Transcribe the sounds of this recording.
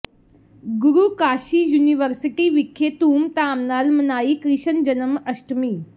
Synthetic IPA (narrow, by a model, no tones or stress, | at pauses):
ɡuɾuːkaːʃiːjuːniʋəɾsiʈiʋikʰːjet̪uːmt̪aːmnaːlmɐnaːikɾiɕənd͡ʒɐnəmɐʃʈmiː